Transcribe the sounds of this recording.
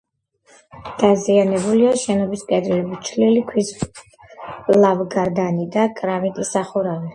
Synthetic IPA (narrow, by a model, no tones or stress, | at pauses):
d̪̥azianɛbuliaʃɛnɔbiskʼɛd̪libut͡ʃʰlilikʰwis | lavɡaɾd̪anid̪akʼɾamit̪ʼisaχuɾavi